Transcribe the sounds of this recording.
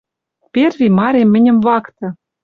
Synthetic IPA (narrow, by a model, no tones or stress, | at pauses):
pʲervʲimɑɾemʲːɘ̆nʲɘ̆mvɑkt̪ɤ̆